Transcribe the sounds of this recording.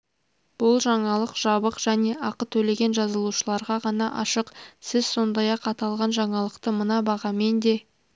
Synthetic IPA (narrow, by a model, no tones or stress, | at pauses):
b̥ʊlˠʒɑɴɑlˠəqʒ̥ɑbəqʒ̥æne̞ʔɑqət̪ʰɵle̞ɡʲe̞nʒɑzəlˠuʃəlˠɑɾʁɑʁɑnɑʔɑʃəqsɪz̥so̞nd̪ɑjɑqɑt̪ɑlˠʁɑnʒɑɴɑlˠəqt̪əmənɑbɑʁɑme̞nd̪e̞